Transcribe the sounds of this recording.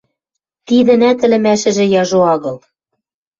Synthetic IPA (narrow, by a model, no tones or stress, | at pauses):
t̪iðɘ̆næt̪ɘ̆lɘ̆mæʃɘ̆ʒĕjɑʒoɑɣɤ̆l